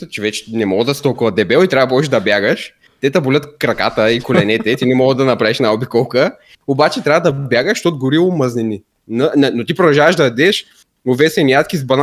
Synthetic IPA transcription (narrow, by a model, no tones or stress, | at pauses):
t͡ʃɛvɛt͡ʃɛ̥nɛmɔɡəd̪ɐst̪ɔlˠkʊvɐd̪ɛbɛlˠit̪ɾʲavɐpɔʃɛd̪ɐbjaɡəʃ | t̪ɛt̪ɐbʊlʲət̪kɾɐka̰t̪əikolɛnɛt̪ɛt̪inɛmɔɡəd̪ɐnɐpɾavɛʃɛnaɔbikɔlˠkə | obat͡ʃɛt̪ɾʲavɐd̪ɐbʲjaɡəʃt̪ot̪̚ɡʊɾiʊmɐznɛni | nɐnɛnot̪ipɾʊd̪ɐʒavɐʒd̪ɐɐd̪ɛʃ | ʊvɛsɛnijat̪kʲizbɐn